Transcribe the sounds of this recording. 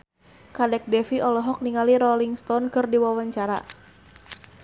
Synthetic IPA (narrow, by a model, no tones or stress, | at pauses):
kadɛk̚dɛfiʔɔlɔɦɔk̚niŋaliɾɔliŋst̪ɔnkɨrdiwawaɲt͡ʃaɾa̰